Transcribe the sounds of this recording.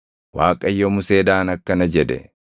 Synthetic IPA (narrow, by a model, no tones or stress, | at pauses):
waːkʼɐjːɔmʊse̞ːd̪aːnɐkːɐnɐd͡ʒɛd̪ɛ̰